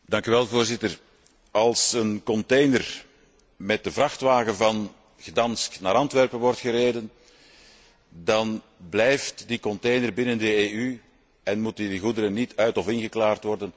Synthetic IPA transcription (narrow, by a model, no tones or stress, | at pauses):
dɑŋkyʋɛlˠvoːrzɪtər | ɑlˠsənkɔntejnər | mɛt̚dəvrɑxtʋaːɣəvɑn | ɣədɑnstna̰ːɾɑntʋɛrpənʋɔrtxəɾeːdən | dɑn | blɛjftdikɔntejnərbɪnəndəey | ɛnmutədiɣudəɾənitʰœɥtɔfɪnɣəklaːrtʋɔrdən